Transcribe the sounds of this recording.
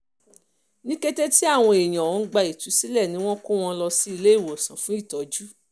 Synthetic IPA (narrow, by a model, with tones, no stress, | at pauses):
nĩ˦ke˦te˦ti˦a˦˨w̃ɔ̃˧e˨j̃ã˨ɔ̃˨˧˦ɡ͡ba˧i˨tu˨˦si˦lɛ˦˨nĩ˦w̃ɔ̃˦ko˦w̃ɔ̃˧lɔ˧si˦i˧le˦i˦˨wɔ˨sã˨fũ˨˦i˦˨tɔ˨˦d͡ʒu˦